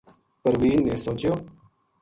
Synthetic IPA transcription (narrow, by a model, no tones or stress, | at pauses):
pəɾʋiːnːẽːsoːt͡ʃjoː